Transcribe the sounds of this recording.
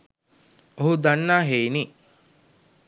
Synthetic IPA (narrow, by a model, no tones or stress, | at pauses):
oɦud̪anːaːɦeini